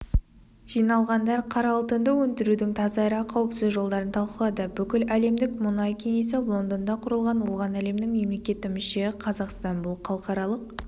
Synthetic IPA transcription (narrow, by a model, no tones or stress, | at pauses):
ʒ̥ijnɑlˠʁɑnd̪ɑɾqʰɑɾɑlˠt̪ənd̪əwɵnt̪ɪɾud̪ɪŋt̪ʰɑzɑɾɑqʰɑwəpsɪzʒo̞lˠd̪ɑɾənt̪ʰɑlˠqəlˠɑd̪əbʏkʲɪlæle̞md̪ɪkmʊnɑjkʲʰe̞ne̞s̬ɪlˠo̞nd̪ond̪ɑqʰʊɾəlˠʁɑnwo̞ʁɑnæle̞md̪ɪŋme̞mle̞kʲe̞t̪ɪmʏʃe̞qʰɑzɑqst̪ɑnbʊlˠqʰɑlˠqɑɾɑlˠəq